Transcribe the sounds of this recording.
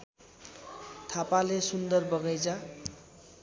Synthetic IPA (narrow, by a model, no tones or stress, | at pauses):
t̪ʰapalesund̪ʌrbʌɡʌjd͡zʌ